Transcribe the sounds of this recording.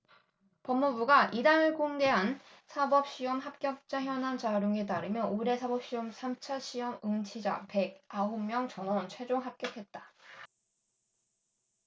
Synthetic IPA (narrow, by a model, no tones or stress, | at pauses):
pʌmːubuɡaʔidaŋɯɭkoŋde̞ɦan | sʰabʌp̚ɕ͈iʌmɦap̚k͈jʌk̚t͡ɕ͈açjʌnant͡ɕaɾjoŋet̬aɾɯmjʌnoɾe̞sʰabʌp̚ɕ͈iʌmsʰamt͡ɕʰaɕʰiʌmɯŋt͡ɕʰid͡ʑa̰pe̞ɡ̚aɦomːjʌŋt͡ɕʌnwʌnt͡ɕʰwe̞d͡ʑoŋɦap̚k͈jʌkʰe̞t̚t͈ḁ